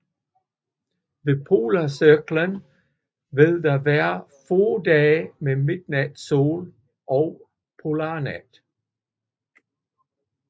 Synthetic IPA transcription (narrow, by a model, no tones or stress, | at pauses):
ʋe̝pʰo̝ːlɐsøɡ̥lən | ʋe̝ðˠd̥ɑʋæːɐfoːd̥ɛːmemed̥̚næd̥so̝̰ːl | ʔɒʊ | pʰolɑːnæd̥